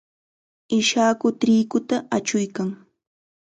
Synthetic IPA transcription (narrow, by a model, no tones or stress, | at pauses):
ɪʃaːkʊt̪ɾiːkʊt̪aat͡ʃʊjkaŋ